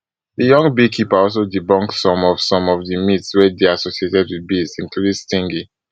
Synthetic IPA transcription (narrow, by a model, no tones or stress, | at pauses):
dəjɔ̃ŋɡbikʰipaɔlsodibɔ̃ŋksɔ̃mɔv̥sɔ̃mɔvðimitswɛdeasosietɛdwiðbizĩŋkludĩŋstĩŋɡi